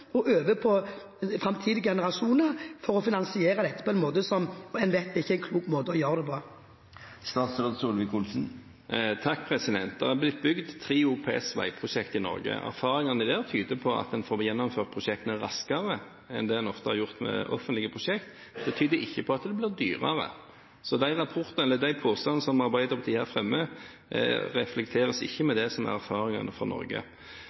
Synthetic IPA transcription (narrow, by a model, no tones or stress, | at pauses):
ɔʔøːʋəpʰɔ | fɾɑmt̪ʰiːd̪ɪɡɛnəɾɑʂuːnəʁfɔɾɔfɪnɑnsɪeːɾɑd̪ɛt̪ːəpʰɔɛnmoːt̪əsɔmɛnʋɛt̪ːɪçːəɛɪnkʰluːkmoːt̪əɔjøːɾəd̪ɛpʰɔ | st̪ɑːt̪sɾoːd̪suːlʋɪkʊlsn̩ | t̪ʰɑkːpʰʁɛsɪd̪ɛnt̪̚d̪̥ɑːhɑblɪt̪̚ːbʏɡd̪t̪ʰːɾiːʊpʰeɛsʋæ̰ɪpʰʁʊʃɛkt̪ɪnɔ̰ʁɡə̰æ̰ɾfɑːʁɪŋənɪd̪eːt̪ʰyːd̪əpʰɔɑ̰t̪̚d̪ɛnfoːɾjɛnːɔmføːʁt̪pʰʁʊʃɛk̚t̪ənæʁɑ̰skɑʁə | ɛ̰nd̪ɛːd̪ɛnɔft̪əhɑɾjʊʁt̪mɛ̰ʔɔ̰fənt̪lɪɡəpʰʁʊʃɛkt̪ | bɛt̪ʰyːd̪əɪçːəpʰɔɑt̪d̪ɛblɪːʁd̪y̰ːʁɑ̰ʁə̰ | sɔd̪æɪʁɑpʰʊɾt̪ɑnɛlːəd̪æɪpʰoːst̪ɑnəsɔmɑʁbæɪd̪əʁpʰɑt̪iːhæːɾfɾɛmːə | ʁɛflɛk̚t̪ʰeːʁəsɪ̰çːəmɛd̪ɛsɔmæ̰ʁæɾfɑːɾɪŋɑ̰nəfʁɑ̰nɔ̰ɾɡə̰